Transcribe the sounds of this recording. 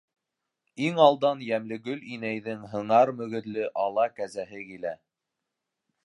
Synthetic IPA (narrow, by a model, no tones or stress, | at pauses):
iŋɑlˠd̪ɑnjæmlɘɡɵlinæjðɘŋɦɤ̆ɴɑɾmɵ̆ɣɘ̆ðlɘʔɑlˠɑkæzæɦɘkilæ